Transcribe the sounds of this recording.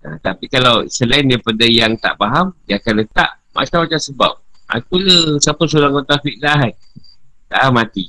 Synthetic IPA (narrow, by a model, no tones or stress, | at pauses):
a̰t̪apikalawsəlaindajpadajaŋt̪a̰ʔpaɦamdiakanlət̪a̰ʔ | mʔa̰t͡ʃamat͡ʃamsəba̰p̚a̰kuləsapəs̬oɾaŋat̪afiʔlaɦajt̪a̰ʔamat̪i